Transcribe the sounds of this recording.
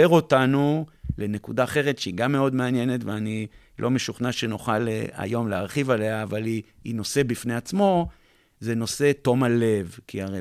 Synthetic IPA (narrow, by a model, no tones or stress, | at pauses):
eʁo̞tanule̞ne̞kudaːχe̞ʁetʃeiɡamːe̞o̞d̪meanje̞ne̞tveani | lʔo̞me̞ʃuχnaʃenuχala̰jo̞mleaʁχivaleaːvaliḭno̞se̞bifne̞at͡smo̞ | zeno̞se̞to̞male̞vkiaʁe